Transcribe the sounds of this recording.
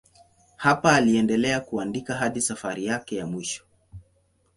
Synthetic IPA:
hapaːliɛndɛlɛakuandikaɦaɗisafaɾijakɛjamwiʃɔ̥

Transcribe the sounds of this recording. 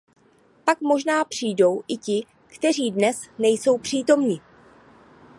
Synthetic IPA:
pakmo̞ʒnaːpr̥iːjdo̞wʔɪcɪ | kt̪ɛriːdnɛsnɛjso̞wpr̝̥iːt̪o̞mɲɪ

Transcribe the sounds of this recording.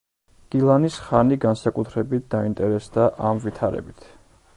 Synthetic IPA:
ɡ̥ilˠanisχaniɡansakʼut̪ʰɾɛbit̪̚ʰd̪aint̪ʼɛɾɛsd̪aʔamvit̪ʰaɾɛ̰bit̪ʰ

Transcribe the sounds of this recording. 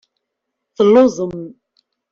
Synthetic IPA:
θəlːozˤəm

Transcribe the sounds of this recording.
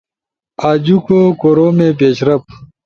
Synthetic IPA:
aːd͡ʑukoːkoːɾoːmepeːɕɾɐp̚

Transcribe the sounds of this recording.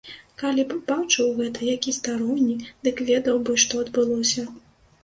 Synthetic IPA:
kalʲibɨbawt͡ʂɐwɣɛt̪ɐjakʲist̪aɾɔwnʲid̪̥ɨkvʲɛd̪ɐwbɨʂt̪ɔɐd̪bɨlˠɔsʲɐ

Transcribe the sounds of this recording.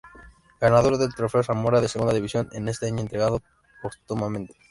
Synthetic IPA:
ɡ̥anað̞o̞ɾðe̞lt̪ɾo̞fe̞osamo̞ɾað̞e̞se̞ɣund̪aðiβisjo̞nene̞st̪eaɲnt̪ɾeɣaðo | pot̪umamẽ̞nt̪e̥

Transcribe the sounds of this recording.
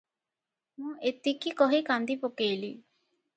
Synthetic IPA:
mũːʔet̪ːikikɔɦikãnd̪ipokeːlḭː

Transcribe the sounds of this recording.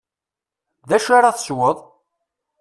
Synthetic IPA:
ðæʃaɾaθə̥swəðˤ

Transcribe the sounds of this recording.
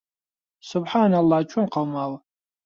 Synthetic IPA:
sʊbħanalːat͡ʃʷʰʊnqawmaw

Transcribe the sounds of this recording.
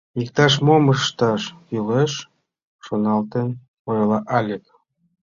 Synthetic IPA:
ikt̪ɑʃ̬moməʃt̪ɑʃjyleʃ | ʃonɑlt̪en | poɾlɑʔɑlʲek

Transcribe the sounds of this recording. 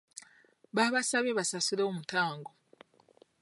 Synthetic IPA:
βaβasaβeβasasiɾo̞ːmutaːŋɡo

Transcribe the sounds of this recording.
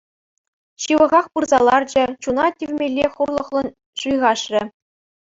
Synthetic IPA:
ɕɯʋɤ̆ʁɑχpɯrzɑlˠɑrd͡ʑɘ̆t͡ɕunɑtʲyvʲmʲelʲːeχurlˠɤ̆χlˠɤ̆n | ʂujʁɑʂrʲɘ̆

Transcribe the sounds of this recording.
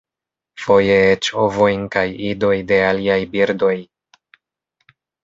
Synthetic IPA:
fo̞jeet͡ʃovo̞jnkajido̞jde̞aliajbiɾdo̞j

